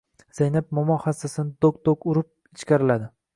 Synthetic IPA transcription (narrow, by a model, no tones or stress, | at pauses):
z̥ajnap̚mʊmɒhasasɪnɪd̪okd̪okʊɾɪp̚ | ɪt͡ʃkʲaɾɪlad̪ɪ